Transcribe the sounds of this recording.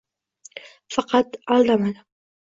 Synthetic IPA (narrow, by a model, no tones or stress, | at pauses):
fɑqɑd̪ʔɑld̪ˤɑman